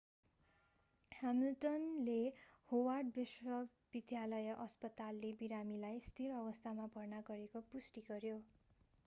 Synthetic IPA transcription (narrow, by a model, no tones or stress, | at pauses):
hamilʈʌnlehowarɖ̚biswʌ | b̥id̪ʱjalʌjʌʔʌspʌt̪alːebiɾamilajst̪ʰirʌbʌst̪ʰamabʱʌrnaɡʌɾekopusʈiɡʌɾjo